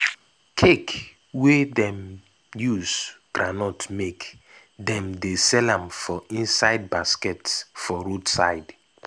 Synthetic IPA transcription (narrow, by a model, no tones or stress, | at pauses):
kʰek | wedɛ̃m | juzɡ̥ɾanɔtmek | dɛ̃mdesɛlãmfɔʔĩnsaɪd̚baskɛtsfɔɾodsaɪd